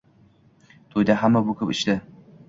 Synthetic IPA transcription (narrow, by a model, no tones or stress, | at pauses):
t̪ʰojd̪aɦamːabʊkʲʰɵpɪt͡ʃd̪ɪ